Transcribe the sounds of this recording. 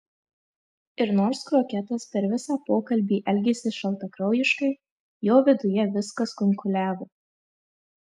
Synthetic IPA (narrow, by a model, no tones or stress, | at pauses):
ɪɾnoːɾskɾoːkʲɛt̪ɐspʲɛɾʋʲɪsɑːpoːkɐlʲbʲiːʔɛlʲɡʲɛsʲɪʃɐlˠt̪ɐkɾɐʊjɪʃkɐɪ | joːʋʲɪd̪ʊjɛʋʲɪskɐskʊŋkʊlʲæːʋoː